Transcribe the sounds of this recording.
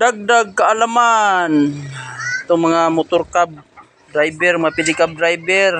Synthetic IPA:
daɡ̚daɡ̚kaalaman | t̪ʊŋmaŋamʊt̪ʊrkab̚ | dɾajbɛrmaŋapidikab̚dɾajbɛr

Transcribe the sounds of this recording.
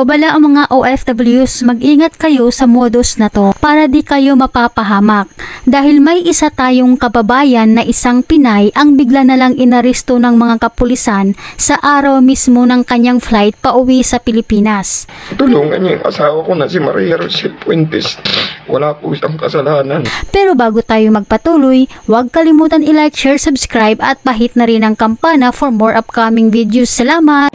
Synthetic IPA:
ɐbɐlaʔɐŋmɐŋaʔoʔɛfd̪ɐbɐljusmɐɡ̚ʔiːŋɐt̪̚kɐjo̞sɐmoːd̪o̞snɐt̪o̞paːɾɐd̪ikɐjo̞mɐpapɐɦaːmɐk̚d̪aːhɪlmɐjʔɪsat̪aːjo̞ŋkɐbɐbaːjɐnːɐʔɪsaŋpɪnajʔɐŋbɪɡlanɐlaŋʔɪnɐɾɛst̪o̞nɐŋmɐŋakɐpʊlɪsansɐʔaːɾɐwmismo̞nɐŋkɐɲːaŋflajt̪̚pɐʔʊwisɐpɪlɪpiːnɐst̪ʊloŋɐ̰ɲaŋʔɐ̰saːwɐkonɐsɪmɐ̰ɾijɐɾsɛpwɛnt̪ɛswɐ̰laːkosɐŋkɐsɐlaːnɐnpɛːɾo̞baːɡot̪aːjomɐɡ̚pɐt̪uːlojwɐɡ̚kɐlɪmuːt̪ɐnɪlajk̚t͡ʃɛɹsʊbskɾajbɐt̪̚pɐɦɪt̪̚nɐɾɪnɐŋkɐmpaːnɐfoɹmoɹʔɐp̚kɐmɪŋvid̪josɐlaːmɐt̪̚

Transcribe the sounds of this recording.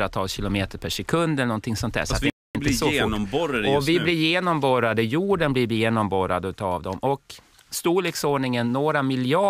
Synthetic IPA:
ɾat̪ʰɑːlsɕɪlʊmeːt̪əɾpʰæʂɛkʰɵnd̪ɛlənɔnt̪ʰɪŋsɔnt̪æ̰ːʂɔat̪ɛ | ɪnəsɔnɔmbɔɾɔvɪblɪɾjeːnɔmbɔɾad̪əjuːɖənbliɾvjeːnɔmbɔɾa̰d̪əʉt̪ʰɑːvd̪ɔmɔk | st̪uːɭeːksoːɳɪŋənːoːɾamɪljɑ

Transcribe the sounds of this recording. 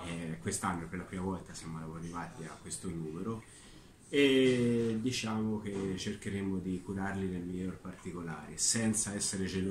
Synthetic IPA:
ɛkːwest̪anːoeperlapɾiːmavɔlt̪asjamoaarːivaːt̪ia̰kwest̪onuːmeɾo | e | d̪ːit͡ʃaːmok̟et͡ʃerkeɾemod̪ikuɾarlid̪elmilːorpart̪ikola̰ːɾesɛnt̪saɛsːeɾed͡ʒelo

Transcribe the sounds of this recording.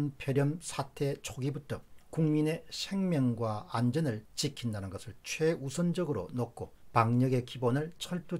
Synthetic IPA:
npʰjʌɾjʌmsʰatʰe̞t͡ɕʰoɡibutʰʌkuŋmine̞sʰe̞ŋmjʌŋɡwaːnd͡ʑʌnɯɭt͡ɕikʰindanɯnɡʌsʰɯɭt͡ɕʰweusʰʌnd͡ʑʌɡɯɾo̰nok͈ʰopaŋɲʌɡe̞kibonɯɭt͡ɕʰʌɭt͈u

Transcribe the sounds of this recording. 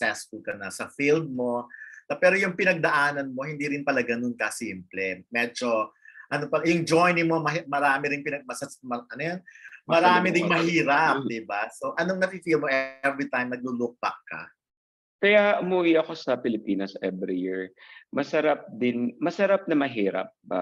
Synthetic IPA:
ksɛsfʊlkɐnɐsɐfild̪̚mo̞nɐpɛːɾo̞jʊŋpɪnɐɡ̚d̪ɐʔaːnɐnmo̞hɪnd̪iːɾɪnpɐlɐɡɐnʊnkɐsiːmplɛmɛːd͡ʒo̞ | ʔɐnopɐjʊŋd͡ʒojnɪmomɐɦimɐɾaːmɪɾɪŋpɪnɐɡ̚mɐsɐmɐʔɐnojanmɐɾaːmɪd̪ɪnmɐhiːɾɐp̚d̪ɪbaso̞ʔɐno̞ŋnɐfifilmo̞ʔɛvɾit̪ãjmnɐɡ̚luluk̚pɐ̰k̚kːɐ̰ | kɐjaʔʊmuːwɪʔɐko̞sɐpɪlɪpiːnɐsʔɛvɾijɪɹmɐsɐɾap̚d̪ɪnmɐsɐɾap̚nɐmɐɦiːɾɐ̰p̚ba̰

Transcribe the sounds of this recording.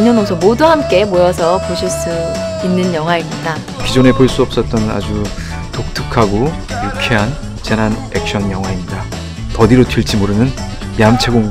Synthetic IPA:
ɲːʌnʌŋsʰoŋmoduhamk͈e̞mojʌsʰʌpoɕʰiɭs͈uinːɯnjʌŋɦwaimd͈a | kid͡ʑone̞poɭs͈uʌp̚s͈ʌt̚t͈ʌnɯna̰d͡ʑu | tok̚tʰɯkʰaɡo | jukʰeɦan | t͡ɕenanek̚ɕ͈ʰʌnjʌŋɦwaiɲida | pʌdiɾotʰiɭt͡ɕʰimoɾɯnɯn | mjamt͡ɕʰe̞ɡoŋ

